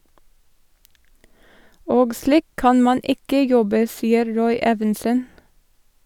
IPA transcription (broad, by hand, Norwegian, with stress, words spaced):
ˈoːɡ ˈsliːk ˈkɑn ˈmɑn ˈɪkə ˈjɔbə ˈsiːəɾ ˈɾɔʏ ˈeːʋɛnsən